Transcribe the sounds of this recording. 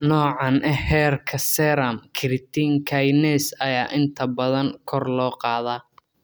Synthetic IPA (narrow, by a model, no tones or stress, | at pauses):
nɔːʕɑnʔɛhɛːrkʰɐsɛɾɐmkʰɪɾɪt̪ʰiŋkʰajnɛsɐjaːʔɪnt̪ʰɐbɐðɐŋkʰɔrlɔːqɑːðaː